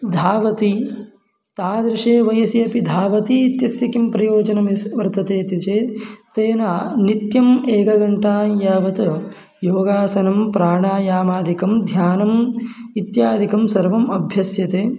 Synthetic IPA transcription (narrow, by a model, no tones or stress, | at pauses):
d̪ʱaːʋɐt̪i | t̪aːd̪ɾiʂeːʋɐjɐsiɐpid̪ʱaːʋɐt̪iːt̪jɐsjɐkimpɾɐjoːd͡ʒɐnɐmisʋɐɾt̪ɐt̪eːt̪it͡ʃeːt̪eːnaːnit̪jɐmeːkɐɡɐɳʈaːjaːʋɐt̪ɐ | joːɡaːsɐnɐmpɾaːɳaːjaːmaːd̪ʱikɐmd̪ʱjaːnɐmit̪jaːd̪ʱikɐmsɐɾʋɐmɐbʱjɐsjɐt̪eː